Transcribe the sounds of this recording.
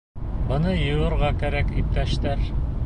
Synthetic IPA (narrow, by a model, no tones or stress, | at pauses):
bɤ̆nɤjɤ̆wɤ̆ɾʁɑkæɾækip̚t̪æʃt̪æɾ